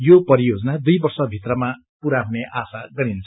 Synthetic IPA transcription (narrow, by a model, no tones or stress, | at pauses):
jopʌɾijod͡zʌnad̪ujbʌrsʌbʱit̪rʌma | puɾaɦuneʔasaɡʌɾint͡sʰʌ